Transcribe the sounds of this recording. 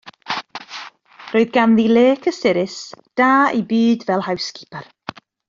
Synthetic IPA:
roːɨðɡanðileːkʰəsɪɾɪsd̥aːibɨːdvɛlˠhawskʰipʰar

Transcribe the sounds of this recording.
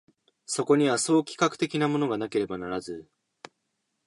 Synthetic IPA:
so̞ko̞ɲ̟iβaso̞ːkʲi̥kakɯ̟̥t̪e̞kʲinamo̞no̞ɡanake̞ɾe̞banaɾazɨ

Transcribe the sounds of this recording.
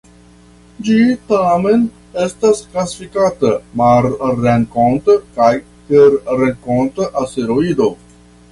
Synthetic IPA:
d͡ʒit̪amen | est̪asklasifikat̪əmaɾɾeŋkõnt̪kaj | t̪eɾɾeŋkont̪əʔast̪eɾoid̪o

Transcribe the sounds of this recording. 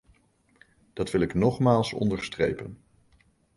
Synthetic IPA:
d̥ɑtʋɪlɪknɔχmaːlˠsɔ̰ndəɹstrḛjpən

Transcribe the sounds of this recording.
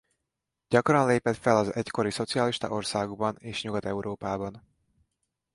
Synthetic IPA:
ɟ̥ɒkrɒnleːpɛt̪fɛlɒzɛcko̞ɾiso̞t̪sijɒliʃt̪ɒ̰ʔo̞rsaːɡoɡbɒneːʃɲuɡɒt̪ɛuɾʔoːpaːbɒn

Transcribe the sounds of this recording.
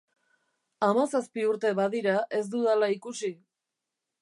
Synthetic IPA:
amasaspiuɾt̪e̞βaðiɾaʔe̞z̬d̪uðalaikusi

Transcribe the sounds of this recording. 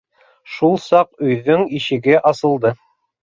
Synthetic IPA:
ʃulˠsɑqɵ̆jðɵŋiʃɘ̆ɡɘʔɑsɤ̆lˠd̪ɤ

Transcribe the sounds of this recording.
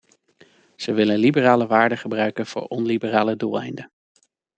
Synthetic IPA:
z̥əʋɪlənlibəraːləʋaːɹdəχəbrœɥkənv̥ʊ̰ːɹʔɔnlibəraːləduːlˠɛ̰jndə

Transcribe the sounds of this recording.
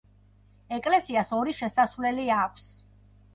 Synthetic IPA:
ɛkʼlɛsiasɔɾiʃɛsasvlɛliakʷʰs

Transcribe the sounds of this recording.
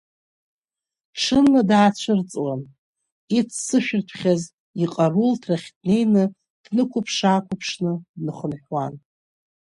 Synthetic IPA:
ʈ͡ʂʰɨnːadaat͡ɕʷʰɨrt͡sʼwan | it͡sʰsɨʃᶣɪrtʰχʲaz | iqʼarultʰraχʲt̚ʰne̞jnɨ | d̥nɨkʷʊpʰʂaːkʷʰʊpʰʂnɨdnɨχənħwan

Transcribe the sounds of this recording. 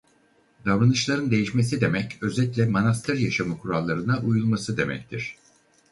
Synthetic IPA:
d̪avɾanɯt͡ʃlˠaɾɯnd̪e̞jiʃme̞sid̪e̞mɛcø̞zɛt̪lʲɛmanast̪ʰɯɾjaʃamɯkʰuɾalˠːaɾɯnaʔujulˠmasɯd̪e̞̰mɛ̰ct̪ʰiɾ̥

